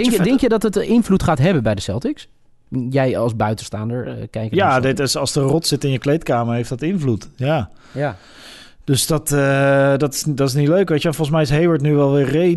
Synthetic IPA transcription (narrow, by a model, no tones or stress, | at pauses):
ŋjdɛŋkjədɑtətɪnvlutχaːtɦɛbənbɛjdəsɛ̰lˠtɪks | jɛjɑlˠsbœɥtən̩sta̰ːndəɹkɛjkjaːdɪtɪsɑlˠsdərɔtsɪtɪnjəklejtkaːməɹɦejfdətɪnvlutjaː | d̥øsdɑtədɑtɪ̥sdɑtɪs̬nitløɥkʋɑtəʋɛfɔlˠχənsmɛjɪsɦejʋəɹtnyʋɛlˠʋɪːɹre